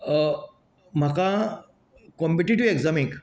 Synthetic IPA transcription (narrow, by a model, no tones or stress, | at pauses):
m̤aka | kɔ̃mpiʈiʈiʋeɡzamek